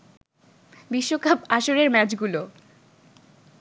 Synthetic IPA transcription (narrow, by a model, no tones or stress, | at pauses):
biʃːokapaʃoɾeɾmɛt͡ɕɡulo